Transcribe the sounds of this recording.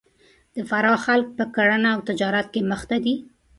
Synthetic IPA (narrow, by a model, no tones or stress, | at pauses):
d̪̥əfaɾɑxalk̚pəkaɽanaːwt̪ɪd͡ʒɑɾat̪̚keməxt̪ad̪i